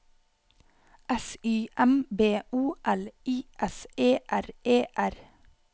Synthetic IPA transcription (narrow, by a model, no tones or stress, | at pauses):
ʔɛsyːʔɛmbeːʔuːʔɛliːʔɛseːʔæɾeːʔæɾ